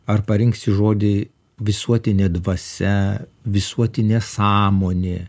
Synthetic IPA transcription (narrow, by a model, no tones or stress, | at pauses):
ɐrpɐɾʲɪŋksʲɪʒoːd̪ʲɪ | ʋʲɪsuɔt̪ʲɪnʲeːd̪ʋɐsʲɛʋʲɪsuɔt̪ʲɪnʲeːsɑːmoːnʲeː